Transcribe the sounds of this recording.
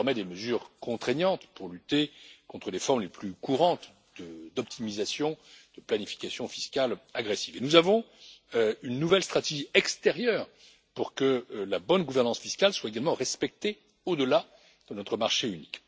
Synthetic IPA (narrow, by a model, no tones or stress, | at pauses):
ɛʁmɛd̪eməzyːʁkɔ̃t̪χɛɲjɑ̃t̪puʁlyt̪ekɔ̃t̪χəlefɔʁmleplykuʁɑ̃t̪ | d̪̥əd̪ɔp̚t̪ʰimizasjɔ̃d̪̥əplanifi̥kasjɔ̃fi̥skalaɡʁɛsi̥venuzavɔ̃ | ynːuvɛlst̪χat̪eʒiɛkst̪ɛʁjœːʁ | puʁkəlabɔnɡuvɛʁnɑ̃sfiskʲalswaeɡalmɑ̃ʁɛspɛk̚t̪e | od̪əla | d̪̥ənɔt̪χəmaʁʃeynik